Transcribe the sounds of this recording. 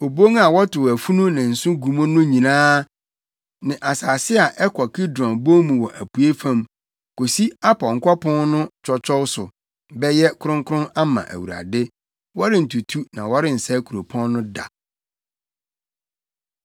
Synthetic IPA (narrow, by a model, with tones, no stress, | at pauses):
o˨bo˦ŋa˨wɔ˦tʰʊ˨wæ˨fu˦nʊ̃˦nã˨n̩˨sʊ̃˦ɡu˨mõ˦nʊ̃˦ɲĩ˨nãː˦ | nɪ̃˨ʔa˨saː˨sɪ˦a˨ʔɛ˦kʰɔ˨kʰi˦dɔ̃˨bo˦mũ˨wɔ˨ʔæ˨pʰu˨e˦fã˦˨m | ko˨si˦a˦pʰɔ˨ŋ̩˦kʷɔ˦pʰɔ̃˦nnʊ̃˦t͡ʃʰɔ˦t͡ɕʰɔ˦wsʊ˨ | bɛ˦jɛ˦kʰʊ˦ɾʊ̃˦ŋkʰʊ˦ɾʊ̃˦na˦mã̰˨ʔæ̰˨wu˨ɾa̰˨dɪ˦ | wɔ˦ɾɪ̃˦˨n̩˨tʰu˨tʰu˦nã̰˨wɔ˦ɾɪ̃˦n̩˨sɛ˦kʰu˨o˨pʰɔ̃˦nː˦ʊ̃˦da̰˨